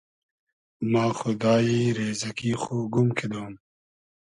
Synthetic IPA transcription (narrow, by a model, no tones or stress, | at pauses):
mãːxʊd̪aːiːɾeːzɐkiːxoːɡumkʰed̪oːm